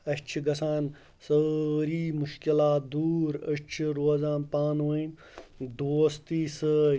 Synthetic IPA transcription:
ɐt͡ʃʰiɡɐsãːn | səɾiːmuʃkilaːt̪̚d̪uːɾɐʃt͡ʃʰiɾoːzãːnpaːnʋoin | d̪oːst̪iːsɨ

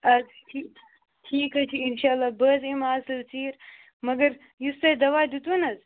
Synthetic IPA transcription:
ɐz | ʈʰi | ʈʰiːkɐt͡ʃʰiɪnʃaːlːaːbəzimaːslt͡siːɾ | mɐɡɐɾ | just̪ed̪ɐwaːd̪ut̪unɐz

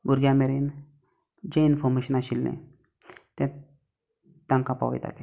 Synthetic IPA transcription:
buɾɡjãmeɾiːn | d͡ʑẽinfɔɾmeɕənaɕilːḛ̃ | t̪ɛ̃ | t̪ãŋkãpa̰ʋa̰jt̪a̰le

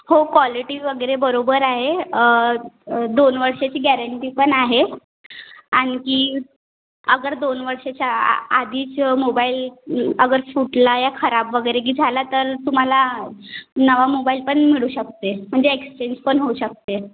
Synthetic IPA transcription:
hokʋɔliʈiːʋəɡəɾebəɾobəɾaɦe | d̪onʋəɾʂet͡ɕiːɡæɾəɳʈiːpəɳaɦe | añikiː | əɡəɾd̪onʋəɾʂat͡ɕaa̰d̪ʱiːt͡smobaiːləɡəɾfuʈlajakʰəɾabʋəɡəjɾek̬iːd͡zʱalat̪əɾt̪um̤ala | nəʋamobailpəɳmiɭuːɕək̚t̪em̤əɳd͡zeekst͡ɕend͡zpəɳɦoɕək̚t̪e

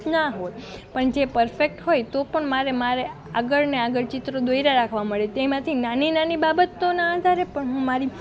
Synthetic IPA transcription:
naɦopəɳd͡ʒepəɾfek̚ʈɦojt̪opəɳmaɾemaɾe | aɡəɭneaɡəɾt͡ʃit̪ɾod̪oiɾaɾakʰʋaməɭet̪emãt̪ʰinaninanibabət̪nonaːd̪ʱaɾepəɳɦũmaɾi

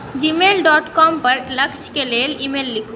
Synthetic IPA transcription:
d͡ʑimelɖɔʈkɔmpəɾləkʃkelelimelːikʰ

